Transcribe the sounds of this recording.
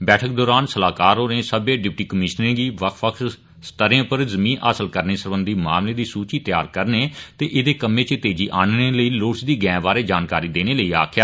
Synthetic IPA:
bɛːʈʰək̚d̪ɔːɾaːnsəlaːkaːɾɦoːnẽːsəbẽːɖɪpʈiːkəmɪʃnẽːɡiːʋəkʰʋəkʰs | st̪əɾẽːpəɾzəmĩːnʔa̰ːsəlkəɾneːsəɾbənd̪iːma̰ːmleːd̪iːsuːt͡ʃiːt̪jaːɾkəɾneːt̪eːʔɪd̪eːkəmẽːt͡ʃət̪eːd͡ʒiːʔaːnneːləiːloːɽsd̪iːɡɛ̃ːʋaːɾeːd͡ʒaːnkaːɾiːd̪eːneːləiːa̰ːkʰɪjaː

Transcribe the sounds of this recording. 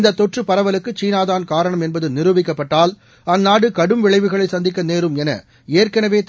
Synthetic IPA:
nd̪ɐt̪ːɔʈrɯpːɐɾɐʋɐlɯkːɯt͡ʃiːnaːðaːnkaːɾɐɳɐmɛnbɐðɯnɪɾɯʋɪkːɐpːɐʈːaːl | ɐnːaːɽɯkɐɽɯmʋɪɭɐɪʋɯɣɐɭɐɪsɐnd̪ɪk̬ːɐneːɾɯmɛnɐ̰ | eːrkɐnɐʋeːt̪

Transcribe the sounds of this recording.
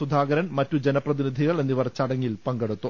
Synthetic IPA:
ud̪ʱaːɡɐɾɐnmɐtːud͡ʑenɐprɐðinid̪ʱiɣɐɭe̞nːiʋɐrt͡ɕːɐɽɐŋːilpɐŋɡeɽut̪ːu

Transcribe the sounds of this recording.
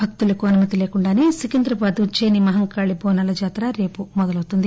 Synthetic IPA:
bʱɐk̚t̪ulɐkuɐnumɐt̪ile̞ːkuɳɖaːnisikind̪ɾɐpaːd̪ut͡ʃeːnimɐɦɐŋkaːɭibɔːnɐlɐd͡ʒaːt̪ɾaɾe̞ːpumɔd̪ɐlɐwt̪und̪i

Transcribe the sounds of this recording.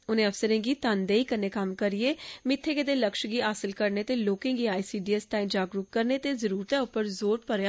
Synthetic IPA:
ʊnẽːəfsəɾẽːɡiːt̪and̪eːiːkənːeːkəmkəɾieːmɪt̪ʰːeːkɪd̪eːləkʃɡiːaːsəlkəɾneːt̪eːloːkẽːɡiːaːiːsiːɖiːɛːsʈaːɪ̃d͡ʒaːɡɾuːkkəɾneːt̪eːzəɾuːɾt̪ɛːʊpːəɾzoːɾpəɾjaː

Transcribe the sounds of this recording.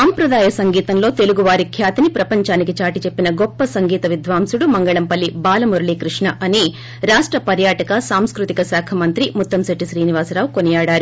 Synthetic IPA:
ɐmpɾɐd̪aːjɐsɐŋɡiːt̪ɐnlo̞ːt̪e̞luɡuʋaːɾikʰjaːt̪inipɾɐpɐɲt͡ʃaːnikit͡ʃaːʈit͡ʃe̞pːinɐɡɔpːɐsɐŋɡiːt̪ɐʋid̪ʋaːmsuɽumɐŋɡɐɭɐmpɐlːibaːlɐmuɾɭikɾuʂɳɐʔɐni | ɾaːʂʈɾɐpɐɾjaːʈɐkɐsaːmskɾut̪ikɐsaːkʰɐmɐnt̪ɾimut̪ːɐmsɐʈːiʃɾiːniʋaːsɾaːʋkonijaːɽaːɾu

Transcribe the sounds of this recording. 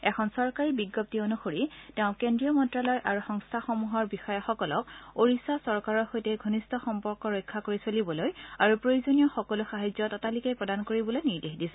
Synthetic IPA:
ɛkʰɔnsɔɹkaɹibiɡːɔp̚tionuxoɹitɛʊ̃kendɹijɔmɔntɹalɔjʔaɹuxɔŋstʰaxɔmuɦɔɹbixɔjɔxɔkɔlɔkoɹisasɔɹkaɹɔɹxojtɛɡʱonistʰɔxɔmpɔɹkɔɹɔjkʰːakoɹisolibɔlojaɹupɹojuzonijɔxɔkɔluxaɦazɔtɔtalikepɹɔdankoɹibɔlojniɹdexdisɛ

